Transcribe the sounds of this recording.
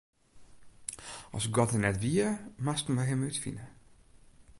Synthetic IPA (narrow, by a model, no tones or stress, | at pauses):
ɔ̰sɡɔtənɛtʋiəmastən̩ʋəɦɪmytfḭnə